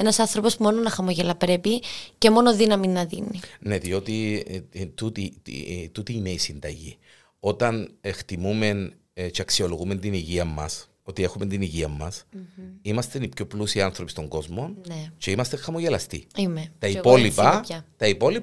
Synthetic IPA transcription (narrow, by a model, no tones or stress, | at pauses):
enɐsɐnθɾopo̞smo̞nonɐxɐmoʝelɐpɾe̞picemo̞noðinɐminːɐðḭnːine̞ðio̞t̪i | t̪ut̪iḭt̪ut̪iːneisind̪ɐʝi | o̞t̪ɐnext̪imume̞n | t͡ʃeɐksio̞lo̞ɣume̞nt̪iniʝiɐmːɐ̰s | o̞t̪ie̞xume̞nt̪iniʝiɐmːɐsimɐst̪enipço̞plusiɐnθɾopist̪o̞ŋɡo̞zmo̞nnet͡ʃe̞imɐst̪eŋxɐmoʝelɐst̪ḭimet̪ɐipolipɐɐt̪ɐipo̞lip